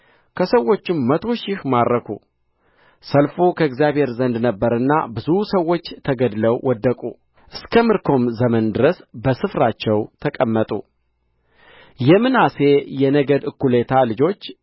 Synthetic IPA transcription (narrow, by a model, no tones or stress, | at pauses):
kʰəsəwːo̞t͡ʃːɪmːət̪ʰo̞ʃɪhmaɾːəkʰṵ | səlfokʰəɨɡzjaβhe̞ɾzənd̪nəbːəɾɨnːa̰bɨzusəwːo̞t͡ʃːt̪ʰəɡəd̪ləwwɔd̪ːəkʼu | ʔɨskʰəmɨɾkʰo̞mzəmənd̪ɨɾəsbəsɨfɾat͡ʃːɛwt̪ʰəkʼəmːət̪ʼṵ | jɛmːɨnase̞jɛnəɡəd̪ɨkːule̞t̪ʰalɨd͡ʒo̞t͡ʃː